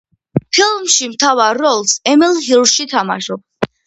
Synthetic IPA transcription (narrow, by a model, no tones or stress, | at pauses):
pʰilˠmʃimt̪ʰavaɾːɔlˠsɛmilˠɦilˠʃit̪ʰama̰ʃɔb